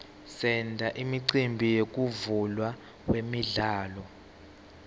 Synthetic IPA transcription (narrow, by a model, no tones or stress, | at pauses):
sɛndʱaʔimiǀimbʱijek̬ʼuvulwa | wemiɮaːlɔ